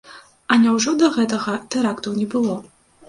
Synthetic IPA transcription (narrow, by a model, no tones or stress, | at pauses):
ɐnʲawʐɔd̪ɐɣɛt̪ɐɣɐt̪ɛɾakt̪ɐwnʲɛbɨlˠɔ